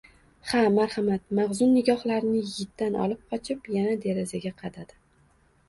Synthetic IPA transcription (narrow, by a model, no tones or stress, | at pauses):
hamaɾhamat̪̚maʁzʊnːɪɡʲɒχlaɾnɪjɪt̪ːanʔɒ̰lˠɪp̚qʰɒt͡ʃʰɪpjanad̪e̞ɾazaɡʲaqʰɑd̪ad̪̥ɪ